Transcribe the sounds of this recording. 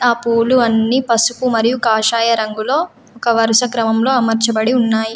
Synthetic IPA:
aːpuːluɐnːiːpɐsukumɐɾijukaːʃaːjɐɾɐŋɡulo̞ː | ɔkɐʋɐɾuʃɐkɾɐmɐmlo̞ːɐmɐɾt͡ʃɐbɐɽiunːaːji

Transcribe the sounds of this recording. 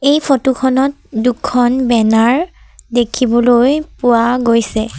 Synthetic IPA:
ejpʰɔtukʰɔnɔt̚ | dukʰːɔnbɛnaɹ | dekʰibɔlojpʊwaɡojsɛ

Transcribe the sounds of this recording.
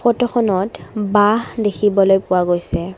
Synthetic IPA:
xɔtɔxʰɔnɔtbaɦdekʰibɔlojpʊwaɡojsɛ

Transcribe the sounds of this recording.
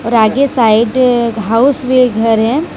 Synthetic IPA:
ɔːɾaːɡesaːɪɖɦaʊsweɡʱɐɾɦɛ̃

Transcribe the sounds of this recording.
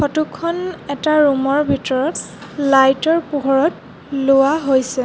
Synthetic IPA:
kɔtukʰɔnɛtaɹumɔɹbʱitɔɹɔtlajtɔɹpuɦɔɹɔt | lowaɦojsɛ

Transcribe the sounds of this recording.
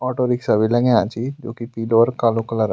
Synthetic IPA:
ɔʈoɾiksəʋilə̃ŋẽãt͡ɕid͡ʒokipiloʋəɾkaloklaɾ

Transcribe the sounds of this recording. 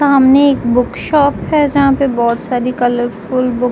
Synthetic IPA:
aːmneeːkbʊkʃaːpɦɛd͡ʒɐɦãpebɔːt̪saːɾikɐləɾfʊlbʊ

